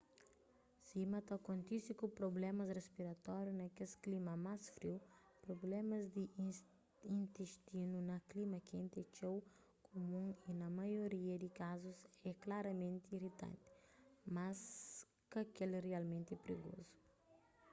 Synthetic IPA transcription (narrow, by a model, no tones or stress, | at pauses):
simɐt̪ɐkõnt̪isikupɾoblɛmɐsrespiɾɐt̪ɔɾjunɐkesklimɐmasfɾiwpɾoblɛmɐzd̪i | ĩnt̪eʃt̪inunɐklimɐkẽnt̪ɛt͡ʃow | kʰomũŋinɐmɐjoɾiɐd̪ikazuzɛklaɾɐmẽnt̪iirit̪ɐ̰̃nt̪ɪ̥mas | kɐkelrialmẽnt̪ipɾiɡo̰zu̥